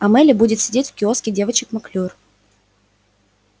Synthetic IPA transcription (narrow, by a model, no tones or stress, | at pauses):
ɐmɛlʲɪbudʲɪt̪sʲɪdʲetʲfkʲɪoskʲɪjdʲe̞vət͡ɕɪkmɐklʲor